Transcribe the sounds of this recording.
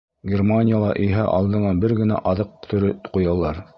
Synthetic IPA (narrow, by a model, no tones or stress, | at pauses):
ɡʲermanʲɪjalˠɑʔɵ̆jɦæʔɑ̰lˠd̪ɤ̆nɑbɘɾɡɘ̆næ̰ʔɑðɤq̚t̪ʰɵ̆ɾɘt̪qujɑlˠɑɾ